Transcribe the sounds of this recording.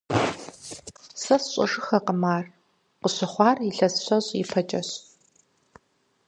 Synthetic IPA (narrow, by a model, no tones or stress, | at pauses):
sɐsɕʼɔ̰ʂʼɨxɐqəmaːr | qəɕɐχʷɑːriɬɐsɕʷɐɕʼipʰɐt͡ʃʼɐɕ